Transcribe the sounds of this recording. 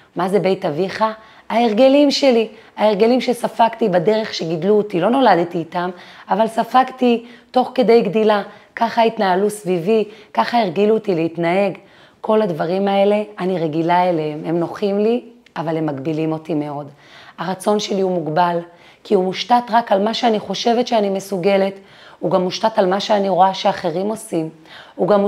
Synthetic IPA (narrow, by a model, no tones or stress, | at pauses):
maze̞be̞jtaviχa | aeʁɡe̞limʃe̞liaeʁɡe̞limʃesafaktibade̞ʁe̞χʃeɡidluotilo̞no̞lad̪tiːtamavalsafaktito̞χke̞de̞jɡdilakaχait̪naːlusvivikaχaeʁɡilutileitnae̞ɡ | kʰo̞lad̪vaʁimae̞le̞aniʁeɡilaeleeme̞mno̞χimli | avalhemːaɡbilimo̞time̞o̞d | haʁat͡so̞nʃe̞liumuɡbal | kiumuʃtatʁakalmaʃeaniχo̞ʃe̞vetʃeanimesuɡe̞le̞t | uɡamːuʃtatalmaʃeaniʁo̞aʃeaχe̞ʁimo̞sim | uɡam